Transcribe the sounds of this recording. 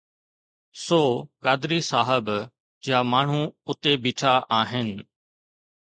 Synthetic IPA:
soːkaːd̪ɪɾisaːɦəb | d͡ʑjaːmaːɳ̤ũʊt̪ebiːʈʰaʔaːɦɪnɪ̆

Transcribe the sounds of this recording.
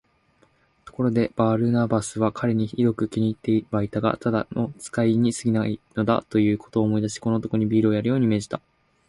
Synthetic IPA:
t̪o̞̥ko̞ɾo̞d̪e̞b̥aːɾɯ̟nabasɨβakʰaɾe̞ɲ̟içid̪o̞kɯ̟kʲiɲ̟iːt̪ːe̞ibait̪aɡa̰t̪ʰad̪ano̞t͡sɨ̥kaiɲ̟isɨɡʲinaino̞d̪a̰t̪o̞jɯ̟ːkʰo̞̥t̪o̞ːmo̞id̪aɕi̥kono̞t̪o̞koɲ̟ibʲiːɾɯ̟ojaɾɯ̟jo̞ːɲ̟ime̞ːʑi̥t̪a

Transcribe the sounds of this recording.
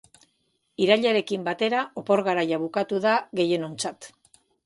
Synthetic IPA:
iɾaʎaɾe̞kimbat̪e̞ɾaʔo̞po̞ɾɣaɾajaβukat̪uðaɣe̞je̞no̞nt͡sat̪

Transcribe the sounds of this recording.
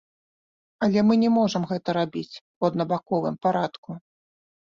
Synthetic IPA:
ɐlʲɛmɨnʲɛmɔʐɐmɣɛt̪ɐɾabʲit͡sʲ | uɐd̪nɐbakɔvɨmpaɾat̪ku

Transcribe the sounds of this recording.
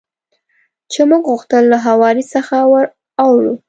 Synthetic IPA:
t͡ʃemuɡɣuxt̪əlːaɦawɑɾisəxawəɾ | awɽu

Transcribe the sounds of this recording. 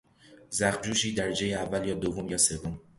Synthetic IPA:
zæxt̪d͡ʒuːʃiːd̪æɾed͡ʒejeævːæljɒːd̪ovomjɒːse̞vːom

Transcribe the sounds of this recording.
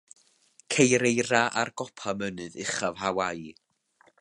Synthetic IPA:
kʰejɾejraʔarɡ̥ɔpʰamənɨðɪχavhawaj

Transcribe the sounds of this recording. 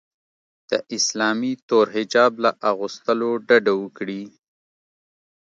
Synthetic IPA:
d̪̥əʔɪslɑmit̪oɾɦɪd͡ʒɑblaʔaɣust̪əloɖaɖawəkɽi

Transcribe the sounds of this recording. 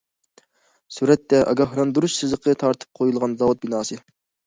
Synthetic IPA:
suɾɛt̪ːɛʔɑ̰ɡɑɦɾɑnd̪uɾuʃsɨzəqʰət̪ʰɑɾt̪ʰɨ̥p̚qʰojulˠʁɑnzɑwut̪̚binɑːsɨ

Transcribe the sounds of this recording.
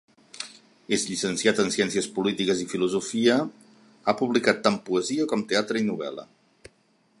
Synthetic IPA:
ezʎisənsiat̪ənsjɛnsiəspulit̪ikəzifiluzufiə | apuβlikat̪ːampuəziəkɔmt̪eat̪ɾəinuβɛ̰lə̰

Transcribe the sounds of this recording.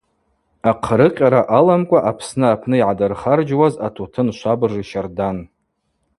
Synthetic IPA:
aqʰɾɨqʲʼaɾaʔalamkʷʼaʔapʰsnɨapʰnɨiʕadɨrχard͡ʒwazatʰotʰɨnʃʷabɨrɨʃardan

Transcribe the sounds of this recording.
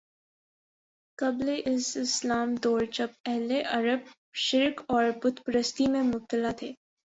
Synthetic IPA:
kɐbleʔɪsɪslaːmd̪ɔːɾd͡ʒɐbɛɦleʔɐɾəb̚ | ʃɪɾkɔːɾbʊd̪pɾəst̪imẽmʊb̚t̪əlat̪ʰeː

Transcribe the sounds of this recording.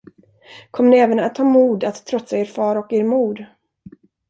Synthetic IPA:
kʰɔmːənɛːvənat̪ʰːɑːmuːd̪at̪ʰːɾɔt̪saeːɾfɑːɾɔkeːɾmuːd̪

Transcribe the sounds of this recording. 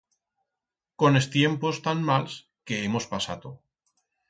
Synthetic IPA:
ko̞nest̪je̞mpo̞st̪anmals | ke̞emo̞spasat̪o

